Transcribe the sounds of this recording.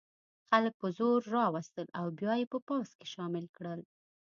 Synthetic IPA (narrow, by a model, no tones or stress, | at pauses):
xalək̚pəzoɾːɑwast̪əlawbjɑjepəpɑske̥ʃɑmɪlkɽəl